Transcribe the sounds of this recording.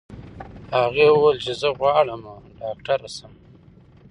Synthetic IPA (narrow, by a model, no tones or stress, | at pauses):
haɣewelt͡ʃezəɣwɑːɽəmaɖɑːk̚ʈaɾasəm